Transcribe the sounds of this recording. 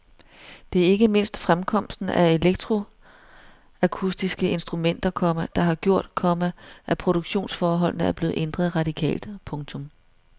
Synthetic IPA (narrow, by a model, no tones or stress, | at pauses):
d̥e̝æɐe̝ɡ̥əme̝n̰sd̥fʁamkʰɒ̽m̰sd̥n̩æe̝leɡ̥̚d̥ʰʁo̝ | ækʰusd̥isɡ̥əe̝nsd̥ʁumen̰d̥ɐkʰɒ̽mæd̥ɑ̈ɦɑ̈ɡ̥jo̝ɐ̰d̥kʰɒ̽mæʔæpʰʁo̝ɾ̥oɡ̥ɕo̝̰ːnsfɒːɦɒ̽l̰nəæɐb̥le̝ːð̩ˠʔend̥ʁɐð̩ˠʁɑ̈d̥ikʰɛ̰ːld̥pʰɔ̽ŋt͡sʰɔ̽m